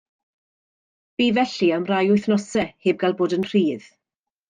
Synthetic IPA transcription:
b̥iːvɛɬiamrajʊjθnɔsɛheːb̚ɡalˠboːdənr̥iːð

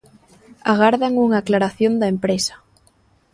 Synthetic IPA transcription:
aɣ̞aɾðaŋuŋaːklaɾaθjond̪aempɾesḁ

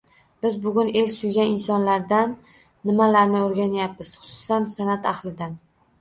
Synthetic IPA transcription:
b̥ɪzbʊɡʲʊne̞lʲsʊjɡʲanɪnsɒnlaɾd̪anː | ɪmalaɾnɪoɾɡʲanjapːɪz̥χʊ̥sʊ̥sansanat̪ahlɪd̪an

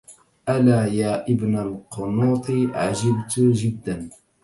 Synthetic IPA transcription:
ʔalaːjaːʔɪbnalqʊnuːt̪ˤɨʕaʒabt̪ʒɪd̪ːan

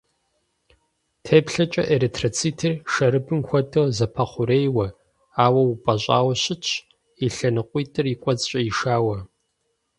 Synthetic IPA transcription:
tʰeːpɬɐt͡ʃʼɐ̰ʔeɾetʰrot͡sʰiːtʰirʃɐɾɨbɨmxʷɔtʰʼɨʁzɐpʰɐχʷʊɾeːjwɐ | aːwɐwupʼɐɕʼa̰ːwɕɪt͡ʃʰʼ | iɬɐnɨqʷʼiːtʼɨrikʷʼɔt͡sʼɕʼɐjiʃaːwɐ

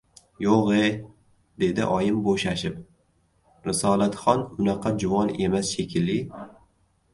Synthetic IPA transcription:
joqe | d̪̥e̞d̪ɪ̰ʔɒjɪmboʃaʃɪp | ɾɪsɒlˠat̪χɒnʊnɑqʰɑd͡ʒʊvɒne̞masʃe̞kʲʰɪlːɪ

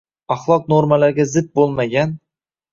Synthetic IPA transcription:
ɑχlˠɒq̚noɾmalaɾɡʲazɪd̪̚bolˠmaɡʲan

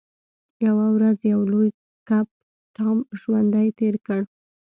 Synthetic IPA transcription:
jawawɾazjawloj | kap̚ | ʈɑmʒwand̪ajt̪eɾkəɽ

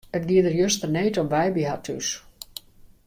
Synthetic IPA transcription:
ət̚ɡiədərjøstərneːtɔmʋɛjbiɦatʰys

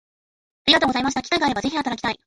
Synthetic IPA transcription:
aɾʲiɡat̪oːɡozaimaɕi̥akʲi̥kaiɡaːɾebaze̞çiat̪aɾakʲi̥t̪aḭ

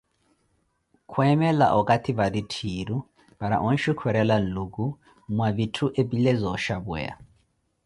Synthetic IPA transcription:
kʰwɛmɛla̰ʔɔkʼatʰiβaditʰiːɾu | b̥aɾa̰ʔɔn̩ʃikʰwɛɾɛlan̩lukʼu | mwaβitʰuʔebilɛzɔʃabwɛ̰a̰

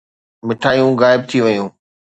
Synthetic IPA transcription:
mɪʈʰaːjũɣaːɪb̚t̪ʰiʋɐjũː

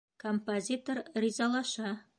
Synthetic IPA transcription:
kʰompozʲit̪orrʲizɑlˠɑʃɑ

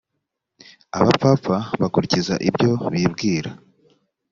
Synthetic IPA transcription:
a̰βap͡fafaβakuɾiciza̰ʔibɟo̞βiːbɡiːɾa

